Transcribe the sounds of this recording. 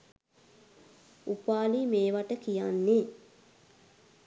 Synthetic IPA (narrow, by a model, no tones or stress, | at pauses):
upaːlimeːʋaʈəkijanːe